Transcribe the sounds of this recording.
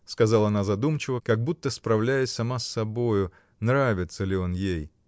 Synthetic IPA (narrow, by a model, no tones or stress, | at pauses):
skɐzɑlˠəɐnazɐd̪umt͡ɕɪvəkɐɡ̚but̪ːəspɾɐvlʲæjɪsʲsɐmasːɐbojʊ | nɾavʲɪt̪səlʲɪo̞njej